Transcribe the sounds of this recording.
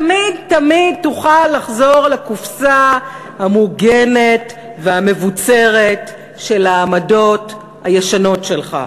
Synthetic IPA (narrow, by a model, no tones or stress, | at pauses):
tamidtamid̚tuχalːaχzo̞ʁlekufsa | hamuɡenet | veame̞vut͡seʁe̞t | ʃe̞laːmado̞t | hajeʃano̞tʃe̞lχa̰